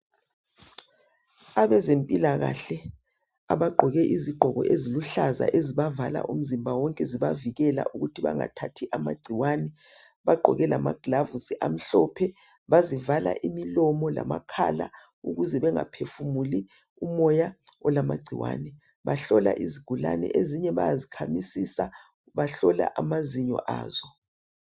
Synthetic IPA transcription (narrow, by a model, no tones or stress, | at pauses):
aβɛzempʼilaɣa̰ɬɛ | a̰βaɡ͡ǃʱɔɣɛʔiziɡ͡ǃʱɔɣɔ̰ʔeziluɬaza̰ʔeziβavala̰ʔum̩zimbʱawɔŋkʼɛziβaviɣɛla̰ʔuɣutʰiβa̰ŋa̰tʰatʰiʔama̰ɡ͡ǀʱiwanɛ | βaɡ͡ǃʱɔ̰ɣɛlama̰ɡ̥lavusiʔam̩ɬɔpʰɛ | βazivala̰ʔimilɔmɔla̰ma̰kʰa̰la̰ | uɣuzɛβɛŋapʰefumuli | umɔjaɔlama̰ɡ͡ǀʱiwa̰ːnɛ | βaɬɔla̰ʔiziɡ̥ʱula̰nɛ̰ʔeziɲɛβa̰jazikʰamisisa | βaɬɔla̰ʔamaziɲɔ̰ʔa̰ːz̥ɔ